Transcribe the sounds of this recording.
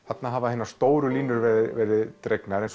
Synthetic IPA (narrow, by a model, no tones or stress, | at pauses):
θat̪naɦavaenḁst̪oːwɾʏliːnʏɾvɛvɛːɾɪðt̪ɾeknaɾɛns